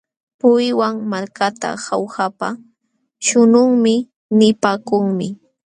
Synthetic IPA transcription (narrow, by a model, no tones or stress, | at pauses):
pʊjwaŋmaɾkat̪a̰hawhapa | ʃʊnʊŋmɪ | nɪpaːkʊŋmɪ